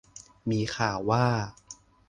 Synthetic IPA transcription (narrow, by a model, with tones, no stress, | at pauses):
miː˧xʰaː˨˩wwaː˥˩